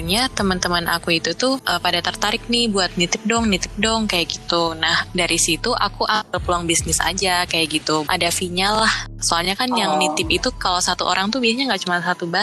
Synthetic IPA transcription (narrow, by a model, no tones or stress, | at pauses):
ɲat̪əmənt̪əmənʔa̰kuit̪ut̪uhʔəpadat̪ərt̪aɾɪk̚nihbuat̪̚nit̪ɪp̚dɔŋnit̪ɪp̚dɔŋkajaʔɡit̪unahdaɾisit̪uʔa̰kuʔaəpəluaŋbisnɪsa̰d͡ʒakajaʔɡit̪uʔa̰dafiɲalahsoalɲakanjaŋnit̪ɪpit̪ukalosat̪uʔo̰ɾʔaŋt̪ubiahɲaŋɡaʔt͡ʃumansat̪uba